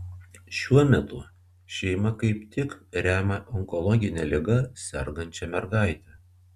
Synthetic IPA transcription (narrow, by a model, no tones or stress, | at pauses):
ʃʲuɔmʲɛt̪ʊ | ʃʲɛɪmɐkɐɪpt̪ʲɪkɾʲæːmɐʔɔŋkɔlˠɔɡʲɪnʲɛlʲɪɡɐsʲɛ̰ɾɡɐnʲt͡ʃʲɛmʲɛɾɡɑˑɪt̪ʲɛ